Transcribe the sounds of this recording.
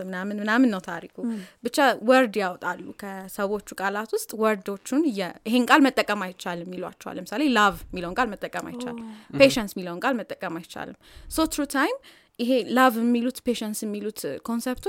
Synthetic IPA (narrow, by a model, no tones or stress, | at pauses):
mɨnamɨnmɨnamɨnːəwt̪ʰaɾikʰubɨt͡ʃːawəɾd̪jawt̪ʼalːṵkʰəsəwo̞t͡ʃːukʼalat̪wʊst̪ʼwəɾd̪o̞t͡ʃːunjɛɪɦe̞nkʼalmət̪ʼːəkʼːəmajt͡ʃːalmːilwa̰t͡ʃːɛwa̰lːəmɨsalelavmiləwŋkʼalmət̪ʼːəkʼəma̰jt͡ʃːa̰lpʰe̞ʃɛnsmiləwnkʼalmət̪ʼːəkʼəmajt͡ʃa̰lɨmsot̪ʰɾut̪ʰajm | ʔɪɦelavmːilut̪pʰeʃɛnsjɛmːilut̪kʰo̞nsept̪ʰ